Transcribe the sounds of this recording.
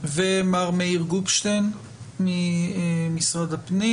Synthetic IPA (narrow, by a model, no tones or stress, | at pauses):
vemaʁmeiʁɡubʃt̪en | mi | misʁad̪apni